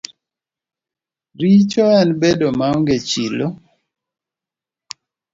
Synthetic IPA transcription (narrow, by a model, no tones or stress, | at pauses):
ɾit͡ʃɔɛnbedomaɔŋɡet͡ʃilo